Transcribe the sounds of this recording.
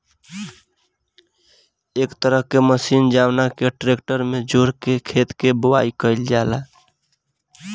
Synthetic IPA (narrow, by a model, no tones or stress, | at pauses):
ekt̪əɾəɦkeməsind͡ʒawnakeʈɾekʈəɾmed͡ʒoɾkekʰet̪kebowaikəɪld͡ʒala